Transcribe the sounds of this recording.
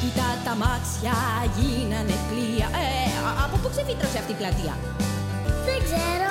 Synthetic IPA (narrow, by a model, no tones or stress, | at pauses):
it̪ɐt̪ɐmɐt͡sçɐʝinɐnepliɐʔeɐpopuksefit̪ɾoseɐft̪iplɐt̪iɐ̰ | ðeɡzeɾo